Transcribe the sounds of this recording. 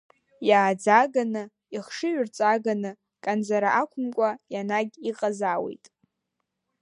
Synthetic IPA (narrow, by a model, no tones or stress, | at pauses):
jaːd͡zaɡanɨ | iχʂɨɥʏrt͡sʼaɡanɨ | kʼand͡zaɾaʔakʷʰʊmkʷʼajanaɡʲiqʼazawḛjtʼ